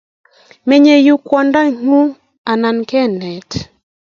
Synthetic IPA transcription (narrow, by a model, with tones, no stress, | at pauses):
me˨ɲe˨ju˦kwɔ˨nda˦ŋ̥u˦ | a˨na˨nkɛ˦nɛ˨t